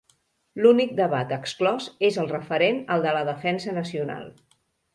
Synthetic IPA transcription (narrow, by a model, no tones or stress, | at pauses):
lunik̚d̪əβat̪əksklɔzezəlˠrəfəɾenəlˠd̪ələðəfɛnsənəsiuna̰lˠ